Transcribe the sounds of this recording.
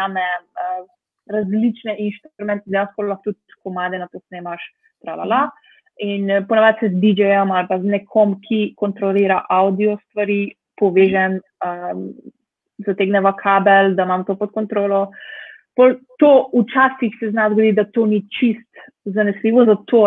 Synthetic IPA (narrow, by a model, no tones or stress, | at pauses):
amɛə | ɾazlit͡ʃnɛʔinʃt̪ɾmɛnt̪d̪ɛjanskkpollaxt̪ut̪̚kɔmaːd̪ɛnap̪osneːmaʃ | t̪ɾala̰la | inpɔnɛʋat̪sɛzd̪id͡ʒɛjamalpaznɛkʰɔmkʰikɔnt̪ɾɔliːɾaʔawd̪iɔst̪ʋaɾi | pɔʋeːʒɛn | əm | zat̪eːɡnɛʋakʰabɛld̪amamt̪opɔt̪̚kɔnt̪ɾoːlɔ | polt̪out͡ʃaːsixsɛznazɡod̪id̪at̪oːnit͡ʃist̪ | zanɛsliʋɔzat̪ʰo